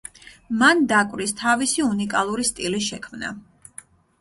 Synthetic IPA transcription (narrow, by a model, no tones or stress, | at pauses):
mand̪akʼwɾist̪ʰavisiunikʼalˠuɾist̪ʼiliʃɛkʰmna̰